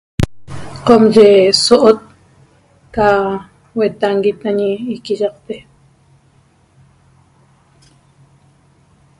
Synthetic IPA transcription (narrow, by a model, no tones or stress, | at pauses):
qomʒesoʔot̪̚ | ka | wet̪aŋɡit̪aɲiːkiʒɑqt̪e